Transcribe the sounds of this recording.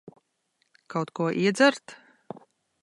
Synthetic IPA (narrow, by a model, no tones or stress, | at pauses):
kawt̪kuɔʔiɛd̪zaɾt̪